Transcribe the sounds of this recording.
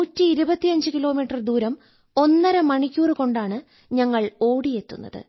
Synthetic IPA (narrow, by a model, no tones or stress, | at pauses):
uːtːiːɾubɐt̪ːijɐɲd͡ʑɨkilo̞ːmiːʈːɐrd̪uːɾɐm | o̞nːɐɾɐmɐɳikʲːuːrɨko̞ɳɖaːɳɨ | ɲɐŋːɐɭo̞ːɽije̞t̪ːunːɐ̰ðɨ̰